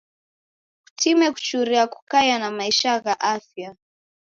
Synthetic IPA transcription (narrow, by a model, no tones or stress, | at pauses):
u̥tʰimɛku̥t͡ʃuɾiaku̥kajanamaiʃaɣaʔafja